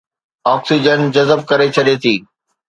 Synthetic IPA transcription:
ɔːksid͡ʑənd͡ʑɐzəb̚kɐɾet͡ɕʰɐɗet̪ʰiː

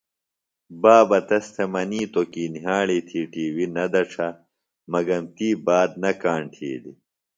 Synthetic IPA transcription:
baːbɐt̪ɐst̪ʰemɐniːt̪okiːniɦaːɭiːt̪ʰiːʈiːwinɐd̪ɐʈ͡ʂʰɐ | mɐɡɐmt̪iːbaːd̪̚nɐkaːɳʈʰḭːd̪ḭ

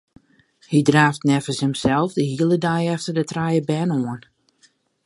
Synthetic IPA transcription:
hidraːftnɛfəsɪmsɛlˠfdəhiəlˠədajɛftərdətrajəbɛnoən

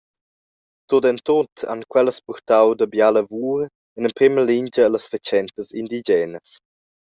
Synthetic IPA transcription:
t̪odɛntotʰa̰nkwɛləspurt̪awdəbjaləvuːɾ | ɛnənpɾiməliɲd͡ʒəːləsfət͡ʃɛnt̪əsind̪id͡ʒɛːnəs

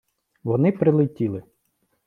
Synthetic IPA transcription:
ʋɔnɪpɾɪlˠɪtʲilˠɪ

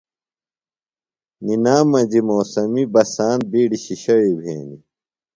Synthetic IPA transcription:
ninaːmːɐd͡ʑimoːsɐmibɐsaːn̚biːɖiɕiɕɐɻibʱḛːni

